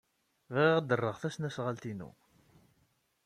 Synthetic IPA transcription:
vʁʁəd̪ərˤːəʁθæsnæsʁalt̪inṵ

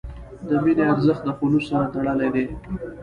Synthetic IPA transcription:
d̪əmineaɾzəxt̪̚d̪əpulusaɾat̪aɽəled̪e

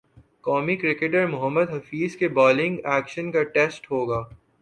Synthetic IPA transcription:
kɔːmikɾɪkeʈəɾmʊɦəmːəd̪ɦɐfiːzkebɔːlɪ̃ŋɡɛːkʃənkaʈɛːsʈɦoːɡaː

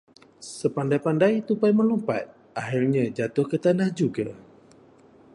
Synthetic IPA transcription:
səpandajpandajt̪upajməlumpa̰t̪̚ | ʔaɦilɲãd͡ʒat̪ʊhkət̪anahd͡ʒuɡa

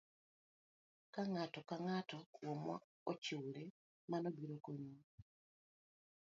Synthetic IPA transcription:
kaŋatokaŋatowomwa̰ | ociwule | manobiɾokoɲu

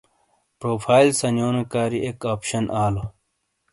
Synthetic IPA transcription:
pɾoːpʰaːilsɐnjoːnekaːɾiʔekaːpɕɐnʔaːlo

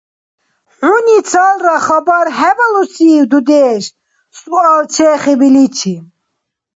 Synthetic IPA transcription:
ħunit͡sʰalɾaχabaɾɦɛvalusiːwd̪ud̪ɛːʃ | sualt͡ʃʰɛːχɛbilit͡ʃʰi

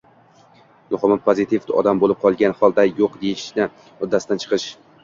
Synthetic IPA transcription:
mʊχɨmapʰozɪt̪ʰivɒ̰d̪ambolˠɪp̚qʰɒlˠɡʲanhɒlˠd̪ajoqd̪ejɪʃnɪ | mʊd̪ːasɪd̪ant͡ʃʰɨ̥qʰɨʃ

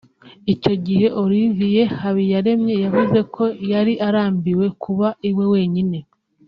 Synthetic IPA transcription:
ico̞ɟihe̞ʔoɾivije̞haβijaɾe̞mɲe̞javuze̞kʰo̞jaɾiʔaɾaːmbiwe̞kʰuβaiwe̞we̞ːɲine̞

